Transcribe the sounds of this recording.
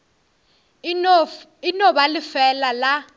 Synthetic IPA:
inɔɓalɪfɛlala

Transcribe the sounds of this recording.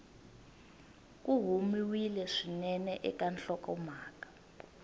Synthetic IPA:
k̬ʼuɦumiwilɛʂinɛnɛʔɛkanɬɔkɔmaːkḁ

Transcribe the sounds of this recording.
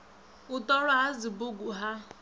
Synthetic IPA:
ʊtɔɾʊazibʊɡuɦa

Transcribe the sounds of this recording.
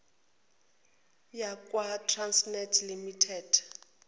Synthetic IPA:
jakʼwatʰransnɛtʰlimitʰɛd̥

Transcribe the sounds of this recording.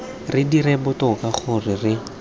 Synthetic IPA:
rɪdiɾɛbʊtʊkaχʊrɪrɪ

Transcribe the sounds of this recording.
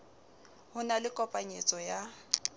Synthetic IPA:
hʊnalɪkʼɔpʼaɲet͡sʼɔja

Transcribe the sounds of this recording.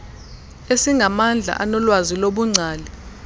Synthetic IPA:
esiŋɡʱamand͡ɮʱa̰ʔanɔlwaziloɓuŋ͡ǀʱaːli

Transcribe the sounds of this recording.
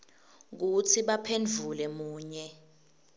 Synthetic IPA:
k̬ut͡sʰiɓapʰend͡ɮʱulɛmuːɲɛ

